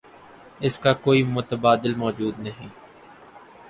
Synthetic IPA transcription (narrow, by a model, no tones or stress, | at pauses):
ɪskakoːimʊt̪əbaːd̪ɪlmɔːd͡ʒuːd̪nɐɦĩː